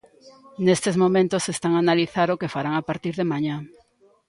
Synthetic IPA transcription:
nest̪ezmomẽnt̪osest̪aŋanaliθaɾokefaɾaŋapaɾt̪iɾðemaɲã

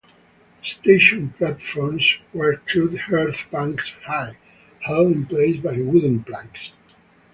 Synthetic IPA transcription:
st̪eɪʃɔ̃nplætfɔɹmswə˞tʰudhɜɹθbæ̃ŋkshaɪ | hɛldɪ̃npleɪsbajwʊdə̃n̩plæ̃ŋks

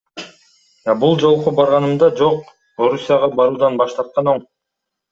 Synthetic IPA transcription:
ɑbulˠd͡ʒo̞lˠqobɑɾʁɑnɯmd̪ɑd͡ʒo̞q̚ | o̞ɾusʲijaʁɑbɑɾuːd̪ɑnbɑʃt̪ɑɾt̪̚qɑno̞ɴ

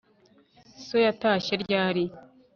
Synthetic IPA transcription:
sojataːʃeɾɟaːɾi

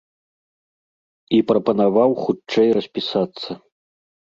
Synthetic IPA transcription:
ipɾɐpɐnavawxut͡ʂɛjrɐsʲpʲisat̪sːɐ

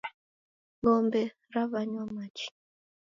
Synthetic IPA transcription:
βɔmbɛ | ɾaβaɲwamat͡ʃi̥

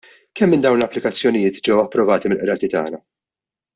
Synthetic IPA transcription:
kɛmːɪnd̪ɐwnlɐpːlɪkɐt͡sːjɔnɪjɪːt̪d͡ʒɛwɐpːɾɔvɐːt̪imɪlʔɾɐːt̪it̪ɐ̰ːnɐ

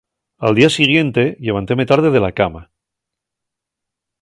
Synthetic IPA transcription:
ald̪iasiɣ̞je̞nt̪e̞ʎe̞β̞ant̪e̞me̞t̪aɾð̞e̞ðe̞lakama

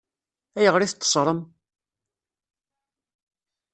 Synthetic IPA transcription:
æjəʁɾiθt̪ˤːə̥sˤɾˤəm

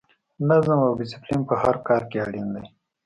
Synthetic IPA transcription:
nazəmawbɪsɪplinpəhaɾkɑɾkeaɽind̪aj

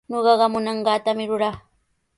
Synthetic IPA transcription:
ɲoɢɑɢɑmʊnɑɴɢɑːt̪amɪɾʊɾaχ

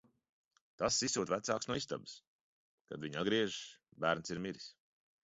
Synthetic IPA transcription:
t̪asːisuːt̪væt̪saːksnuɔist̪a̰bɨ̥s | ka̰d̪viɲad̪̚ɡɾiɛʒbæːɾnsiɾmiɾis

